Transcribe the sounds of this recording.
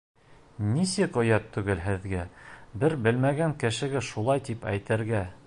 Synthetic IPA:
nisɘqŏjɑt̪ʰːʉɡɘlɦɘ̆ðɡæbɘɾbɘ̆lmæɡæŋkɘ̆ʃɘ̆ɡɘʃulˠɑjt̪ipæjt̪ɘ̆ɾɡæ

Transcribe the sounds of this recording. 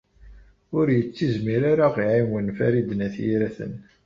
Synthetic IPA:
ʊɾjət͡sːizmiɾaɾaʁiʕimwənfæɾid̪ənæθjḭɾæθə̰n

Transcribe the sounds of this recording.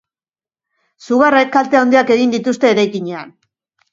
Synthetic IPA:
suɣ̞are̞kːalt̪eaond̪iake̞ɣind̪it̪ust̪e̞ːɾajkiɲe̞an

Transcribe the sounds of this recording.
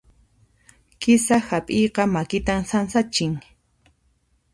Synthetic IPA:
kɪsahapʼɪjqɑmakɪt̪amsansat͡ʃɪŋ

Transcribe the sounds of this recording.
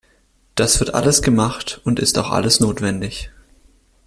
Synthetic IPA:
d̥asv̥ɪɐtʔa̰ləsɡ̥əmaχtʊntɪstaʊxʔa̰ləsnoːtv̥ɛndɪç

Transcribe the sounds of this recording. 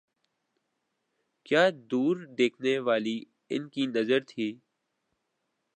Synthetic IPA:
kjaːd̪uːɾd̪eːkʰneːʋaːliː | ɪ̰nkiːnəzəɾt̪ʰiː

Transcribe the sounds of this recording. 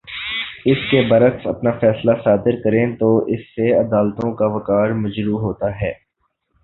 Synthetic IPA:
ɪskebɐɾəksɐpnafɛːslasaːd̪ɪɾkɐɾẽːt̪oʔɪsːeɐd̪aːlt̪õkaʋɐkaːɾmɐd͡ʒɾuːɦoːt̪aɦɛː

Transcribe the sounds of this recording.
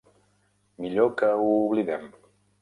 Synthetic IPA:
miʎokəuːβliðɛm

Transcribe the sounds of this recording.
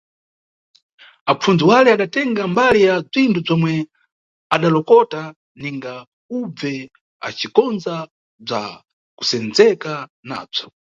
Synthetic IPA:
ap͡fund͡ziwalɛaɗatɛŋɡambalijab͡ʐintʰub͡ʐɔmwɛ | aɗalɔkɔta | niŋɡa | ub͡vvɛ | a̰t͡ʃikɔnza | b͡ʐa̰ | ku̥sɛnd͡zɛkana̰ːb͡ʐɔ̥

